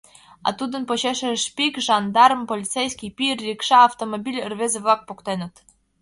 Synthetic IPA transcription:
ɑ̰t̪ud̪ə̆npoɕeʃɘʃpʲikʒɑnd̪ɑrmpolʲit̪t͡sejskʲipʲirːʲikʃɑːft̪omobʲilʲərvezeβlˠɑk̚pokt̪ɑjnɤt̪

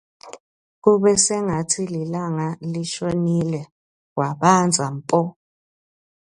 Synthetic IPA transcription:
k̬uɓɛsɛŋatʰililaŋaliʃonilɛ | kwaɓand͡zʱam̩pʼɔ

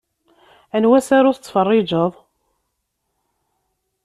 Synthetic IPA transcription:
ənwæsaɾʊθət͡sːfərˤːɪd͡ʒəðˤ

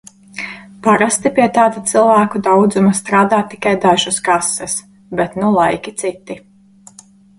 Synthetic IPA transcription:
paɾast̪ipiɛt̪aːd̪at̪silˠvæːkud̪awd̪zumast̪ɾaːd̪aːt̪ːi̥kajd̪aʒuskasːɛs | bɛt̪nulˠajkʲit̪sit̪ːi

